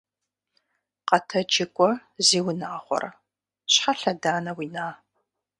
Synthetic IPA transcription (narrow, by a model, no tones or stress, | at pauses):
qɐtʰɐd͡ʒɪkʷʼɔziːwʊnaːχʷɔ̰r | ɕħaɬɐdaːnɐwiːnaː